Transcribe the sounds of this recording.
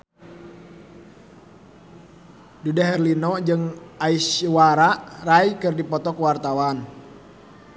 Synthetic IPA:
dudaɦɛrlinɔd͡ʒɨŋaiswaɾaʔraijkɨrdipɔt̪ɔkuwart̪awan

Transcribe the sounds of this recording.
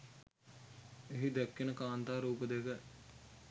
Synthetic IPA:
eɦid̪ɛkːenəkaːnt̪aːɾuːpəd̪ekə

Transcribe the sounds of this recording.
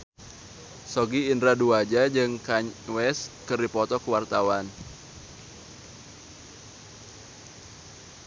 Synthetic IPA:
sɔɡiːndɾaduad͡ʒad͡ʒɨŋkaɲwɛskɨrdipɔt̪ɔkəwart̪awan

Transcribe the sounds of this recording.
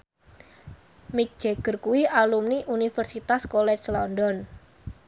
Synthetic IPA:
mik̚d̥ʒ̥eɡ̥ə̤rkuwialumniʔunifərsit̪askolɛt͡ʃslɔndɔn

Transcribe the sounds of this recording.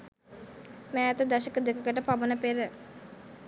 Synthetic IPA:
mɛt̪əd̪aʃəkəd̪ekəkəʈəpaʋənəpeɾə

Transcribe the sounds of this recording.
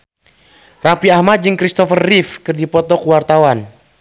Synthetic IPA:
rapiahmat̪̚d͡ʒɨŋkɾist̪ɔfərːifkɨrdipɔt̪ɔkuwart̪awan

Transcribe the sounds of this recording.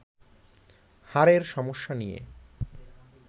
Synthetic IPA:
haɾeɾʃɔmoʃːanijḛ

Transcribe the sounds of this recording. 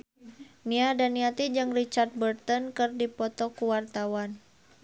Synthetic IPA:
niadaniat̪id͡ʒɨŋrit͡ʃart̪̚bərt̪ɔnkɨrdipɔt̪ɔkuwart̪awan

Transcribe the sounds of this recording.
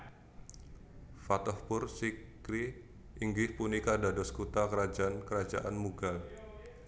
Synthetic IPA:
fat̪ɔhpʊrsikɾi | ʔiŋɡɪhpunikadadɔskut̪akəɾad͡ʒaankəɾad͡ʒaʔanmuɡal

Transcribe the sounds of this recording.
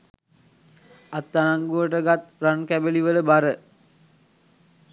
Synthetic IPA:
at̪ːanaŋɡuʋəʈəɡat̪rankæbeliʋələbaɾə

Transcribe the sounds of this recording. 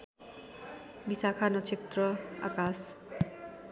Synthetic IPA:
bisakʰanʌt͡sʰekt̪rʌa̰kas

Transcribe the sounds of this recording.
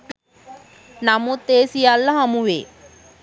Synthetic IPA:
namut̪ːeːsijalːɐɦamuʋḛː

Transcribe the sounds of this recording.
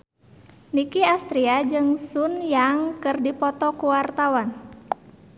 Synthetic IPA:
nikiast̪ɾiad͡ʒɨŋsunjaŋkɨrdipɔt̪ɔkuwart̪awan

